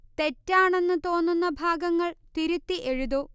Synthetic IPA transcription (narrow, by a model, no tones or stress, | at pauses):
t̪e̞tːaːɳe̞nːɨt̪o̞ːnːunːɐbʱaːɡɐŋːɐɭt̪iɾut̪ːiʔe̞ɻuðoː